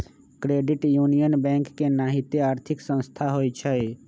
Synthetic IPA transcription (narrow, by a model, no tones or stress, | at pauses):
kɾeːɖɪʈjunijənbɛ̃ŋkːenaːɦit̪eaːɾt̪ʰɪksə̃nst̪ʰaɦoːjt͡ʃʰɛj